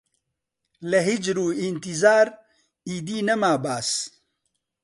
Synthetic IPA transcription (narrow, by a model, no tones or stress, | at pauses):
lɐɦid͡ʒɾuːint̪izaːɾ | iːd̪iːnɐmaːbaːs